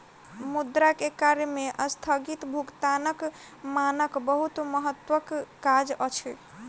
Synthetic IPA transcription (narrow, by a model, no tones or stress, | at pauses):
mud̪ɾakekaɾjəmeʔəst̪ʰəɡit̪bʱukt̪anək | manəkbəɦut̪məɦət̪ːwəkːad͡ʒət͡ʃʰi